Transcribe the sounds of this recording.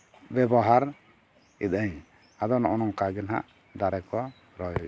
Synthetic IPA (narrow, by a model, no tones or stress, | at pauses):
bɛbɔɦaɾ | ḭt̪̚aɲ | ad̪ɔnɔnɔŋkaɡɛnɦa̰ʔ | d̪aɾɛkɔ | ɾɔjɔj